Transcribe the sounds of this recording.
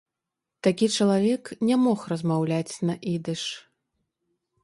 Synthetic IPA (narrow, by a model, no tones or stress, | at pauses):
t̪akʲit͡ʂɐlˠavʲɛknʲɛmɔxrɐzmawlʲat͡sʲnɐʔid̪ɨʂ